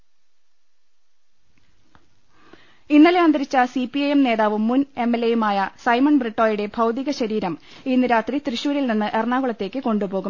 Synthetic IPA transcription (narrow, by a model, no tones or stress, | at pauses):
inːɐleɐnd̪ɐɾit͡ɕːɐsipːiɐjemne̞ːðaːʋumːune̞mːelːejumaːjɐsɐjmɐɳbriʈːoːjuɽe̞bʱɐwd̪iɣɐɕɐɾiːɾɐmiːnːiɾaːt̪rit̪riɕuːɾilninːɨʔerɳaːɣuɭɐt̪ːe̞ːkʲːɨko̞ɳɖubo̞ːɣum